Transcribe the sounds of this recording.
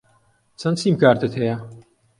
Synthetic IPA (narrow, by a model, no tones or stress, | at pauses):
t͡sʰɐnt͡siːmkaːɾt̪ɨt̪hejɐ